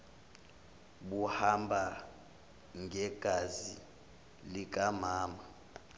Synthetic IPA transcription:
ɓuhambʱa | ŋʱɛɡ̥ʱazi | lik̬ʼamaːma

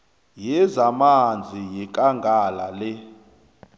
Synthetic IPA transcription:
jɛzamand͡zʱijɛkʼaŋɡʱalalɛ

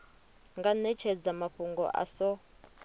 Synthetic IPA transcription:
ŋɡanɛt͡ʃʰɛd͡zamaɸuŋɡɔ̰ʔa̰sɔ

